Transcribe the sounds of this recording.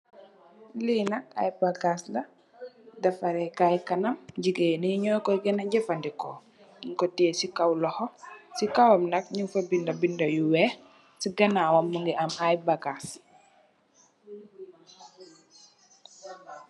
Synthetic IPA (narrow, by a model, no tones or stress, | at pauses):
liːnɐka̰jbaɡaslɐ | dɐfaɾɛkajkanɐmɟiɡeniɲɔjkɔjɡɛnaɟɛfandikɔː | iŋkɔtɛːsikawlɔhɔsikawamnɐk̚ɲuŋfabindɐbindɐjuwɛ | siɡɐnawamːuŋɡiʔamajbaɡas